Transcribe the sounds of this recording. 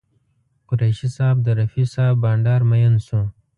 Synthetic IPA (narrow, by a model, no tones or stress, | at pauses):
qʊɾajʃisɑːb̚d̪əɾɐfisɑːbbɑːɳɖɑːɾmajansũ